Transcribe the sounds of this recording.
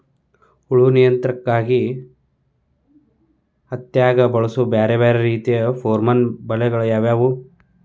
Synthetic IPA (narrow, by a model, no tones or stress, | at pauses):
uɭunijɐnt̪ɾɐkːaːɡi | ɐt̪jaːɡɐbɐɭusubeːɾebeːɾeɾiːt̪ijɐpʰoːɾmɐnbɐlɛɡɐɭɐjaːʋjaːʋu